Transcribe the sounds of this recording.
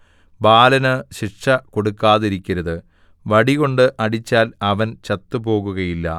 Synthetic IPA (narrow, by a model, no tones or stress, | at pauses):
baːlɐnɨɕiʂɐko̞ɽukːaːðiɾikʲːɐɾɐðɨ | ʋɐɽiɣo̞ɳɖɨʔɐɽit͡ɕːaːlɐʋɐnt͡ɕɐt̪ːɨbo̞ːɣuɣɐjilːɐ̰